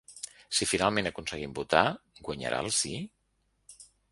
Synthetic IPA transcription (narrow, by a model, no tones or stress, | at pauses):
sifinalˠmẽnəkunsəɣimbut̪aɡwaɲə̰ɾʔa̰lˠsi